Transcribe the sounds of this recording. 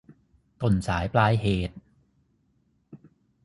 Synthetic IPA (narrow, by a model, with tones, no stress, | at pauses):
k̪o˨˩nsaː˩˦jplaː˦˥jɦeː˨˩t̪̚